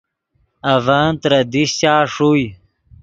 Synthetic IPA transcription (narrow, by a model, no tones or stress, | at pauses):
ɐvaːnt̪ɾɐd̪iɕt͡ɕaːʂuj